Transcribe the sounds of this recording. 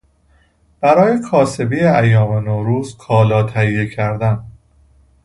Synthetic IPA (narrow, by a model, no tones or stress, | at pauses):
b̥æɾɒːje̞kʰɒːse̞bijeæjːɒːmenoːɾuːzkʰɒːlɒːt̪ʰæijːe̞cʰæɾd̪æn